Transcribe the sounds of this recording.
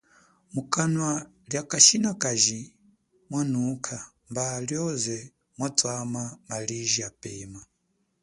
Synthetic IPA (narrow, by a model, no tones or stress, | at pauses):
mukanwa | ljakaʃinakaʒi | mwanukʰa | mbaljɔzɛ | mwat͡sʼwamamaliʒiapɛma